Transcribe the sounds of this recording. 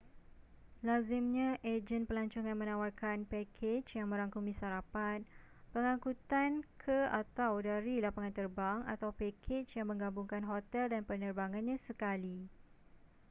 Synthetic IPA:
lazɪmɲãʔed͡ʒənpəlaɲt͡ʃuŋanmə̃nawarkanpɛkʰet͡ʃjaŋmə̃ɾaŋkumĩsaɾapat̪̚ | pəŋãkut̪ankʰəa̰t̪awdaɾilapaŋant̪ərbaŋa̰t̪awpɛkʰet͡ʃjaŋmə̃ŋɡabuŋkanɦot̪ɛldanpənərbaŋãnɲãsəkali

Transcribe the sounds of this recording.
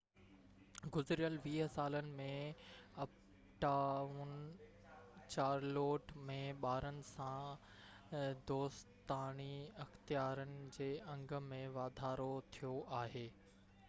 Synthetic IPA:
ɡʊzɪɾijəlʋiːɦəsaːlənɪ̆mẽɐp | ʈaːʊn | t͡ɕaːɾloːʈmẽɓaːɾənɪ̆sã | d̪oːst̪aːñiɐxt̪ijaːɾənɪ̆d͡ʑeːɐ̃ŋɡə̆mẽʋaːd̪ʱaːɾot̪ʰijoʔaːɦeː

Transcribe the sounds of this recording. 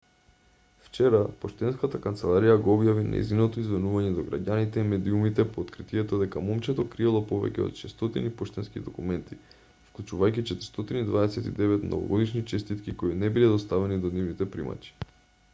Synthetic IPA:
ft͡ʃɛɾapoʃt̪ɛnskat̪akant̪sɛlˠaɾijaɡoɔbjavinʔa̰ḭzinot̪oizvɛnuvaɲɛd̪ɔɡɾa̰ɟanit̪ɛimɛd̪iumit̪ɛpoːt̪kɾit̪iɛt̪od̪ɛkamɔmt͡ʃɛt̪okɾiɛlˠɔpovɛ̰cʲɛ̰o̰t̪ʃɛst̪ɔt̪inipɔʃt̪ɛnskḭd̪okumɛnt̪i | fklˠut͡ʃuvajkit͡ʃɛt̪ɛɾst̪ot̪inid̪vaɛsɛt̪ḭd̪ɛvɛt̪nɔ̰vo̰ɡod̪iʃnit͡ʃɛst̪it̪kikoinɛbilɛd̪ost̪avɛnid̪onivnit̪ɛpɾima̰t͡ʃi̥

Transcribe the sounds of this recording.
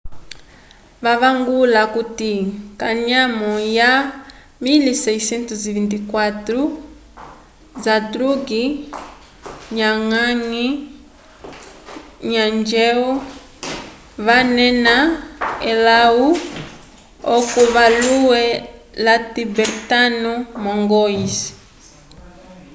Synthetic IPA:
βaβaŋɡulakutikaɲamɔja | milisɛisɛntuzivintikwatɾu | zadɾuɡi | ɲaŋaŋi | ɲand͡ʒɛu | βanɛnaelau | okuβaluwɛ | latibɛɾtanumɔŋɡɔisi̥

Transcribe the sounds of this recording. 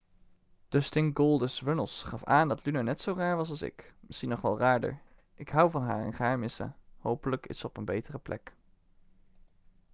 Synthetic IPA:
d̥əstɪŋɡolˠdəsʋənəlˠsχɑfaːndɑtlynanɛtsowraːɹʋɑs̬ɑlˠsɪ̰kməsinɔχʋɛ̰lˠraːɹdə̰ɹ | ʔɪkɦʌwvɑnɦaːɹɛ̰nχaːɹmɪsa̰howpələkɪ̰səɔpənbejtərəplʔɛ̰k

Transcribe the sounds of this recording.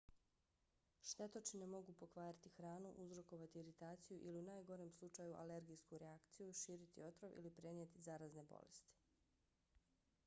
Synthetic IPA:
ʃt̪e̞t̪ot͡ʃinemo̞ɡupo̞kʋaːɾat̪ixɾaːnuʔuzɾo̞ko̞ʋat̪iiɾit̪aːt̪sijuʔiliunaːjɡo̞ɾemslˠut͡ʃajuʔale̞ɾɡijskuɾeakt̪sijuʃiːɾit̪ḭo̞t̪ɾoʋḭlipɾe̞nijet̪izaːɾazne̞bo̰lḛst̪i̥

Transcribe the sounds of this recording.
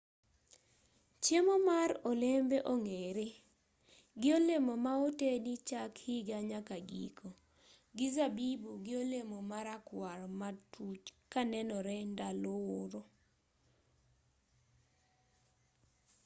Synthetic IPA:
t͡ʃjemomaɾolembeʔoŋeɾe | ɡɪolemomaotenit͡ʃakhiɡaɲakaɡḭkʰo | ɡɪzabibuɡɪolemomaɾakwaɾmatʰut͡ʃkanɛnɔɾɛndalooɾo

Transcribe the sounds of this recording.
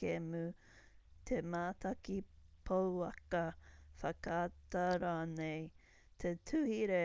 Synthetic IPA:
kemʉ | t̪ʰemaːt̪ɐkipʰowɐkɐfɐkaːtɐɾaːnej | t̪ʰetʰʉhiɾe

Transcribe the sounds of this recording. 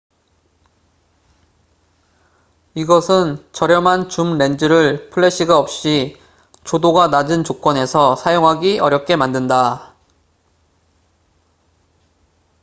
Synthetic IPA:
iɡʌsʰɯnt͡ɕʌɾjʌmɦant͡ɕumɾe̞nd͡ʑɯɾɯɭpʰɯɭːe̞ɕ͈iɡaʌp̚ɕ͈i | t͡ɕodoɡanad͡ʑɯnt͡ɕok͈wʌne̞sʰʌsʰajoŋɦaɡiʔʌɾjʌp̚k͈e̞mandɯnda

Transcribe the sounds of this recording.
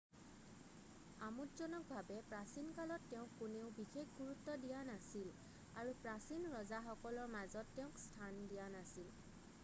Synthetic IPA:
amutzɔnɔk̚bʱabɛpɹasinkalɔtːeʊ̃kːuneʊ̃bixekɡuɹutːɔdijanasil | aɹupɹasinɹɔzaxɔkɔlɔɹmazɔtːeʊ̃kstʰandijanasil

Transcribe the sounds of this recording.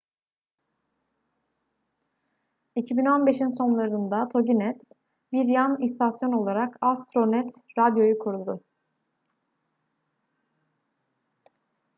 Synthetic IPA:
icʰibino̞nbe̞ʃinso̞nlˠaɾɯnd̪at̪ʰo̞ɟinɛt̪ | biɾjanist̪ʰasjo̞no̞lˠaɾakast̪ɾo̞nɛt̪ɾad̪jo̞jukʰuɾud̪ʊ

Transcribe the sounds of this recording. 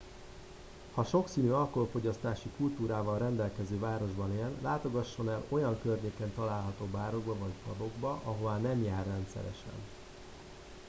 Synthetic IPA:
hɒʃo̞ksiːnyːɒlkooːfo̞ɟɒst̪aːʃikult̪uːɾaːvɒlrɛnd̪ɛlkɛzøːvaːɾo̞ʒbɒneːlːaːt̪o̞ɡɒʃːo̞nɛlo̞jɒŋkørɲeːkɛnt̪ɒlaːlɦɒt̪oːbaːɾo̞ɡbɒvɒɟpɒd̪o̞ɡbɒʔɒɦo̞vaːnɛmjaːrːɛnt̪sɛ̰ɾɛ̰ʃɛ̰n

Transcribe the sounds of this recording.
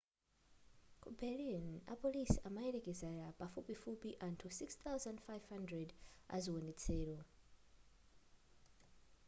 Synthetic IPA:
kʰubɛlina̰polisamaɛɾɛkɛzɛɾapafupifupiʔantʰusikst̪awzãndfajv̥handrɛda̰ziwɔnɛt͡sʰɛːɺɔ

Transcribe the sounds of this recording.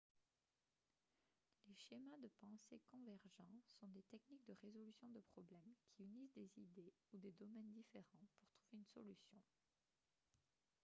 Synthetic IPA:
leʃemad̪əpɑ̃sḛkɔ̃vɛʁʒɑ̃sɔ̃d̪et̪ɛknik̚d̪əʁezɔlysjɔ̃d̪əpχɔblɛmkʲʰiynisd̪ezid̪e | ud̪ed̪ɔmɛnd̪ifeʁɑ̃puʁt̪χuveynsɔ̰lysjɔ̃

